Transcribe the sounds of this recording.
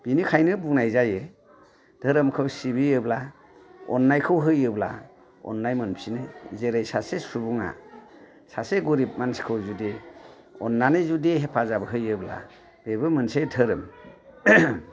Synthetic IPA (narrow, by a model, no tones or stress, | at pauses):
b̥inikʰajnɯbuŋnajzaje | d̥ʰʱəɾɯmkʰɯwsibiɯbla | ɔ̰nːajkʰɯwɦɯjɯbla̰ | ɔ̰nːajmɯnpʰinɯzeɾajsasesubuŋa̰ | saseɡuɾip̚manskʰɯwzude | ɔ̰nːanɯzudiɦepʰazabɯɦɯjɯbla̰ | b̥ebɯmɯnsedʰɯɾɯm